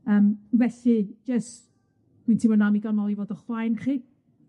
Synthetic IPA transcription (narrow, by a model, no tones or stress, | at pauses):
əːmvɛɬid͡ʒəst | d̥wintʰimɔnamiɡɔnɔlˠivoːdəχwajnχiː